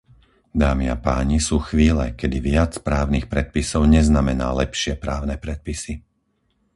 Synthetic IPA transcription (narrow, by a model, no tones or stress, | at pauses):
d̪aːmia̰paːɲisuːxʋiːlɛ̰kɛd̪iʋɪat͡spɾaːʊnixpɾɛt̪̚pisɔʊɲɛznamɛna̰ːlɛpʃɪɛpɾaːʊnɛpɾɛt̪̚pisi